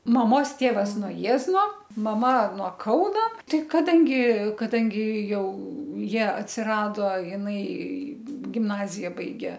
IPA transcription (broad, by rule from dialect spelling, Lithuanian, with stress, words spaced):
mɐˈmoːs ˈtʲeːʋɐs noː ˈjiɛznoː mɐˈmɐ nuɔ ˈkɐʊnoː ˈtɐɪ kɐˈdɐŋʲɡʲɪ kɐˈdɐŋʲɡʲɪ ˈjɛʊ ˈjiɛ ɐtʲsʲɪˈrɑːdoː jɪˈnɐɪ ɡʲɪmˈnɑːzʲɪjɛ ˈbɐɪɡʲeː